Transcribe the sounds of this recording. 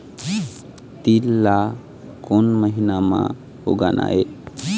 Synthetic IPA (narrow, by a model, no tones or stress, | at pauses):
t̪ilːa | kɔnməɦinama | ho̰ɡanʔa̰e